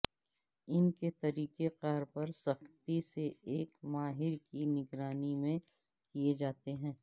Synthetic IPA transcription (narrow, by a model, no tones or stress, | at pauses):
ɪnket̪ɐɾiːkeqaːɾpɐɾsɐxt̪iseeːkmaːɦɪɾkinɪɡɾaːnimẽ | kied͡ʒaːt̪eɦɛ̃ː